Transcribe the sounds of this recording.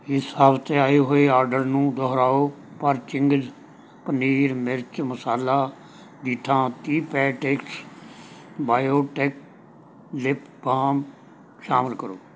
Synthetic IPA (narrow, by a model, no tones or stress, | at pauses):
ɪsaːbt̪eːaːeːɦoːeːaːɾɖəɾnũːd̪ɔɦɾaːoː | pəɾt͡ʃɪŋɡəd͡ʒ | pəniːɾmɪɾt͡ʃməsaːlaː | d̪it̪ʰãːt̪iːpɛːʈeks | baːjoːʈɛːk̚ | lɪpʰ | bʱaːm | ʃaːmɪlkəɾoː